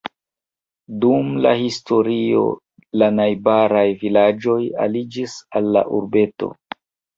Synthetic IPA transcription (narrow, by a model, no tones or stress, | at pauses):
dumla̰histo̞ɾio̞̰ | lanajbaɾajvilad͡ʒo̞ja̰lid͡ʒisalːa̰ʔuɾbe̞to̞̰